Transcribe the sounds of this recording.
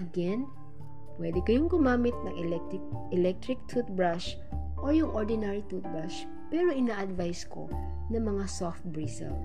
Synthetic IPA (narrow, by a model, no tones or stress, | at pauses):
ʔɐɡɛn | pwɛd̪ɛkɐjoŋɡʊmaːmɪt̪̚nɐŋʔɛlɛk̪ | k̚ | ɛlɛk̚t̪ɾɪk̚t̪ʰut̪̚bɹaʃ | ʔojʊŋʔoɹd̪ɪnaɹit̪ut̪̚bɹaʃ | pɛɾoʔɪnaːʔɐd̪vajskʰo̰ | nɐŋmɐŋasoft̪̚bɹisɛ̰l